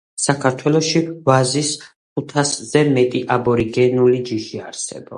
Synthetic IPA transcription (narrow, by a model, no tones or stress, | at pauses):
sakʰaɾt̪ʰwɛlˠɔʃivazis | kʰut̪ʰaszɛmɛt̪ʼiʔabɔɾiɡɛnulid͡ʒiʃiaɾsɛ̰bɔ